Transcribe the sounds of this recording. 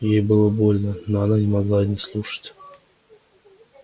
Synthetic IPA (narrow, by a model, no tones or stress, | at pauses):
jejbɨlˠəbo̞lʲnənoɐnanʲɪmaɡlˠanʲɪslˠuʂə̥tʲ